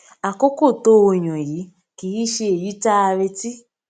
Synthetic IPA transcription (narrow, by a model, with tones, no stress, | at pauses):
a˨ko˦ko˦˨to˦o˧ɲɔ̃˨ji˨˦ | ki˨ji˦ʃe˧e˨ji˦ta˦a˧βe˧ti˦